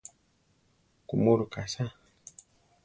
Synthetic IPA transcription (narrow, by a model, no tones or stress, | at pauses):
kumuɾukasa